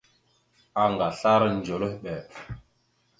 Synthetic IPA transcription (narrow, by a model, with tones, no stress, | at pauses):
a˨ŋɡa˨ɬa˦ɾə˦n˨d͡ʒo˨lə˦ɓɛ˨